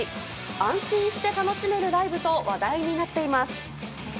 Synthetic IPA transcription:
i | ãɰ̃ɕĩɰ̃ɕi̥t̪e̞t̪ano̞ɕime̞ɾɯ̟ɾaibɯ̟t̪o̞βad̪aiɲ̟inat̪ːe̞imasɨ̥

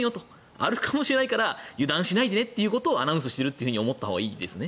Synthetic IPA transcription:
jo̞t̪o | a̰ɾɯ̟kʰamo̞ɕiɾe̞naikaɾajɯ̟d̪ãɰ̃ɕinaid̪e̞ne̞t̪ːe̞jɯ̟ːko̞t̪o̞ːa̰naɯ̃s̬ɨ̥ɕi̥t̪e̞ɾɯ̟t̪ːeiɯ̟hɯ̟io̞mot̪ːaho̞ːɡaiːd̪e̞sɨne̞

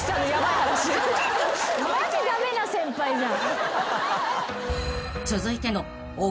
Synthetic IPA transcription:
sanojamat̪aɾaɕi | mad͡ʑid̪ame̞nasẽ̞mpaiɲa | t͡sɨzɨit̪e̞no | o

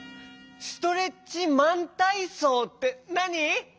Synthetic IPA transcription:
sɨ̥t̪o̞ɾe̞t͡ɕimãnt̪aisoːt̪ːenaɲi

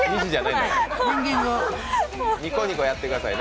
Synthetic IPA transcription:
ɲit͡ɕid͡ʑad̪eeõŋɡʲĩŋɡo | ɲʲikoɲikojat̪ːe̞kɯ̟d̪asa̰in

